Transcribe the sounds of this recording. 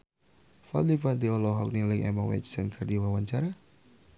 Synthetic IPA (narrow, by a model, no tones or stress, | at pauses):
fa̰dipadiɔlɔɦɔk̚niliŋɛ̰mawɛ̰t͡ʃsɛnkʰərdiwawaɲt͡ʃaɾa